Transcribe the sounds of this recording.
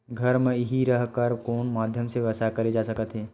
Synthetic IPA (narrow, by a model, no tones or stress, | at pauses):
ɡʱɐɾmẽɦiɾɐɦkəɾkoːnmaːd̪ʱjəmseʋɐsakɐɾed͡ʒaːsɐkət̪ɦɛː